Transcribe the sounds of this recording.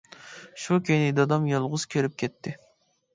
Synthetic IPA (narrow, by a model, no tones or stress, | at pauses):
ʃukʲʰejnɪd̪ɑd̪ɑmjɑlˠʁʊz̥kʲʰeɾɪp̚kʲʰɛt̪ʰːɪ